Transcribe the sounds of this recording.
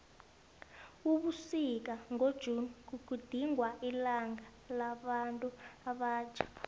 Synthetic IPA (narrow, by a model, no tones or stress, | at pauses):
uɓusik̬aŋʱod̥ʒ̥ʱunk̬ukud̥ʱiŋwaʔilaŋa | laɓantʼuaɓḁːt͡ʃʰḁ